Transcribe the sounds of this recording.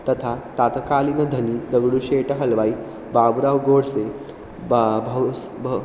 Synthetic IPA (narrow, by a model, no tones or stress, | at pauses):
t̪ət̪ʰat̪at̪əkaːliːnəd̪ʱəniːd̪əɡɽuːɕeʈəɦəlʋai | babɾawɡoɽse | bʱəw | b